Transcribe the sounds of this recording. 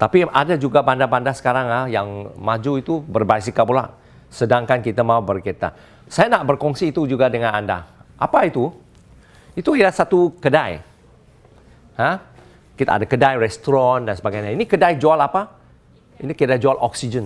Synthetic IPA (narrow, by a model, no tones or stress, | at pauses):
t̪apiʔadad͡ʒuɡabandabandasə̥kaɾaŋajaŋmad͡ʒuit̪ubərbajs̬ikapula̰ʔ | sədaŋkankit̪amãubərkət̪a̰ | sajanaʔbərkɔŋsiːt̪ud͡ʒuɡadəŋãnanda̰ʔa̰pait̪u | it̪uidasat̪ukədaj | hã | kit̪a̰ːdakədajrɛst̪ɔɾɔndansəbaɡajɲainikədajd͡ʒualapa | inikidad͡ʒualʔɔksid͡ʒən